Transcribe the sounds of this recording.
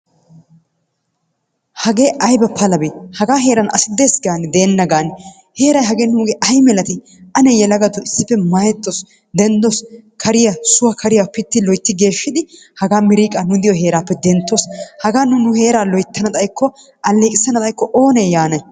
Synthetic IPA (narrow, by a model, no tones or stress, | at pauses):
hɐɡe̞ːʔɐjbɐpɐlɐbehɐɡaːɦe̞ːɾɐnɐ̰sɪd̪e̞ːsɡaːnɛd̪eːnːɐɡaːnɛ | he̞ːɾɐjɦɐɡe̞ːnuːɡeʔɐjmɛlɐt̪ɪ | ʔɐnɛjɛlɐɡɐt̪ɔɪsːɪpːɛmɐjɛt̪ːɔs | d̪ɛnd̪ɔskʰɐɾɪjɐsʊwɐkʰɐɾɪjapɪt̪ːɪlɔjt̪ːɪɡe̞ːʃːɪd̪ɪ | hɐɡaːmɪɾiːkʼɐnʊd̪ɪjɔɦe̞ːɾaːpːɛd̪ɛnt̪ːoshɐɡaːnʊnʊhe̞ːɾaːlɔjt̪ːɐnɐt̪ʼɐjkːɔ | ʔɐlːeːkʼɪsːɐnɐt̪ʼɐjkːɔʔoːneːjaːnɐj